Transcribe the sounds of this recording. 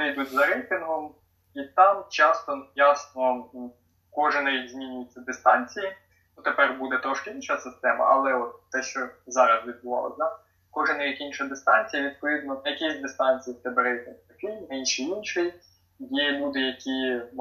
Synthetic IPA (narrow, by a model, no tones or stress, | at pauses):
nɪjd̪utʲzɐɾɛjt̪ɪnɦɔm | it̪ɑmt͡ʃɑst̪ɔjɑsnɔ | kɔʒɪnɐʋʲiɡʲzmʲinʲʊjɪt͡sʲːɐd̪ɪst̪ɑnʲt͡sʲiji | nut̪epɛrbud̪ɛt̪ɾɔʃkɪinʃɐsɪst̪ɛmɐ̰ʔɐ̰lˠɛɔt̪ːɛʃt͡ʃɔzɑɾɐzʋʲid̪̚bʊʋɑ̰lˠɔ̰sʲd̪ɑ | kɔʒɪnɐʋʲik̪ʲinʃɐd̪ɪst̪ɑnʲt͡sʲijɐʋʲid̪̚pɔʋʲid̪nɔjɐkɪsʲd̪ɪst̪ɑnʲt͡sʲijit̪ɛbɛɾɛjt̪ɪnht̪ɐkɪjninʲʃɪjinʃɪj | jibud̪ɪjɐkʲi